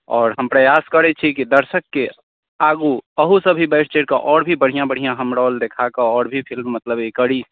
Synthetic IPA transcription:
ɔːɾɦəmpɾəjaskəɾɛt͡ʃʰikid̪əɾsəkːe | aɡuəɦusəbʱibəɪst͡ʃeɾkeʔɔːɾbʱibəɽ̤ijãbəɽ̤ijãɦəmɾɔːld̪ekʰakeɔːɾbʱipʰilmːət̪ləbekəɽi

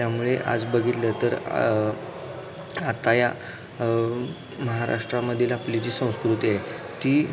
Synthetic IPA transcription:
t̪jamuɭeʔa̰d͡zbəɡʱit̪lət̪əɾ | at̪aja | məɦaɾa̰ʂʈɾaməd̪ʱiːlaplit͡ɕiːsə̃w̃skɾut̪iːaj | t̪iː

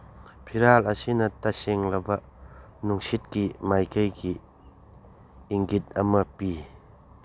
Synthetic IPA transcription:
pʰiɾalɐsinɐtɐseŋlɐbɐ | nuŋsit̚kimajkajki | ŋɡit̚ɐmɐpi

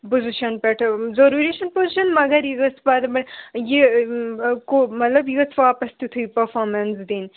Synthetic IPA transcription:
poziʃɐnpeʈʰzɐɾuɾeʃɐnpoziʃɐnmɐɡɐɾjiɡɐt͡sbad̪bɐje | komɐt̪lɐbjiɡɐt͡sʰʋaːpɐst̪it̪ʰuipɐɾfoːɾmɐnsd̪iːn

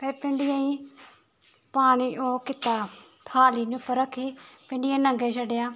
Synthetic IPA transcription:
pʰeɾpɪɳɖɪjãːĩː | paːɽ̃iːʔoːkɪt̪aː | t̪ʰaːliːnʊpʰːəɾəkʰːiːpɪɳɖɪjãːnə̃ŋɡeːʃəɖejaː

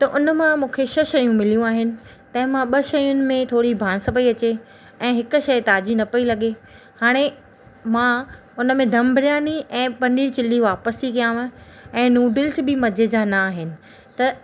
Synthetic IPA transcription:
t̪ɐʔʊnəmãmũːkʰeʃɐʃɐjũmɪlijũaːɦɪnɪ̆ | t̪ɐ̃ɦɪ̃mãɓɐʃɐjʊnɪ̆mẽt̪ʰoːɽibʱãːnsɐpɐiɐt͡ɕe | ɛ̃ːɦɪkʊ̆ʃɐjt̪aːd͡ʑinɐpɐilɐɠe | haːɽ̃e | mã | ʊnəmẽd̪ʱɐmbʱɾɪjaːniʔɛ̃ːpɐniːɽt͡ɕɪlːiʋaːpəsikijãːʋ̃̆ | ɛ̃ːnuːɖɪlsbɪmɐd͡ʑʱed͡ʑanɐːɦɪnɪ̆ | t̪ɐ

